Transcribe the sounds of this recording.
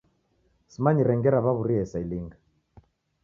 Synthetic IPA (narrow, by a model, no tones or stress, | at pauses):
simaɲiɾɛŋɡɛɾaβaβuɾiɛsailiŋɡa